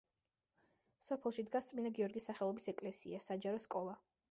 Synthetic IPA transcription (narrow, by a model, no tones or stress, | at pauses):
sɔpʰɛlˠʃid̪ɡast̪sʼminaɡiɔɾɡisːaχɛlˠɔbisɛkʼlɛsḭasad͡ʒaɾɔskʼɔlˠa